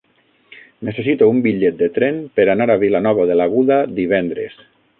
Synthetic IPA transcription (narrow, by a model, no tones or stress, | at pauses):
nesesit̪oumbiʎet̪̚d̪et̪ɾɛnpəɾanaɾaβilanɔβaðelaɣuðad̪iβ̞ɛnd̪ɾḛs